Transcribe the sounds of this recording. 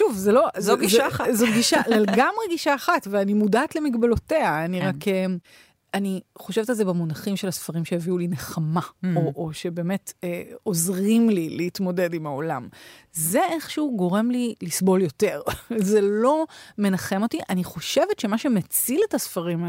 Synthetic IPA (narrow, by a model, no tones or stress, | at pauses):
ʃuvzelo̞zɡiʃaazotɡiʃaleleɡamʁeɡiʃaːχatveanimudaːtle̞miɡbelo̞teaːniʁakem | aniχo̞ʃevetalzebamunaχimʃe̞lasfaʁimʃeeviulineχamaoʔoʃe̞be̞ːme̞teo̞zʁimlileitmo̞de̞dimao̞lam | zeeχʃɛuɡo̞ʁe̞mlilisbo̞ljo̞te̞ʁzelo̞me̞naχe̞mo̞tiʔaniχo̞ʃe̞vetʃe̞maʃe̞met͡siletasfaʁima